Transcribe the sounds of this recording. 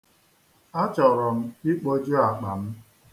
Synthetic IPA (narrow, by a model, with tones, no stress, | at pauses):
a˦t͡ʃɔ˨ɾɔ˨m̩˦i˦k͡po˦d͡ʒo˦a˨k͡pa̰˨m̩˦